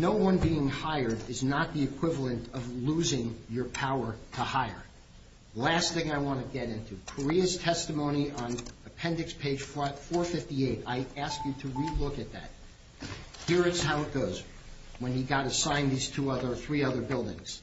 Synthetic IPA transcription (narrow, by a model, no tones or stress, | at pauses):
noʊwʌ̃nbiɪ̃ŋhaɪə˞ɾɪznət̪̚ðiɨkʰw̥ɪvl̩ˠə̃ntʰʌvluzɪ̃ŋjə˞pʰaʊə˞ɾəhaɪə̰˞ | læsθɪ̃ŋaɪwɑ̃nɨɡɛɾɪ̃ntʰʉkʰə˞iɨz̥tʰɛstɨmõʊ̃ñiʔə̃nɨpʰɛ̃ndɨkspʰeɪd̥ʒ̥ffɔɹθɨt̪̚ðieɪɾaɪæskjɨɾɨɹilʊkɨt̪̚ðæ̰t̚ | hiɹɨtshaʊɨt̚ɡ̥oʊz | wə̃niɡɑɾɨsãɪ̃nðiz̥tʰuʌðə˞θɹiʌðə˞bɪlˠdɪ̰̃ŋz̥